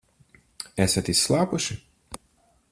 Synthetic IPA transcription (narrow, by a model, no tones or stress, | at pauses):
ɛsat̪isːlˠaːpuʃi